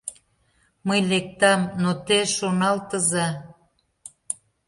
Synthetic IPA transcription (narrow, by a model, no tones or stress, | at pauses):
məjlek̚t̪ɑmnot̪eʃonɑlt̪ə̆zɑ